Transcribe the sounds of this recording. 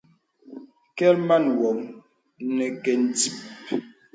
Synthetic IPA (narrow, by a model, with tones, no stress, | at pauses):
kɛ˦lma˦˨nwɔ˨ŋ | nɛ˨kɛ˨n̩˨ti˦p̚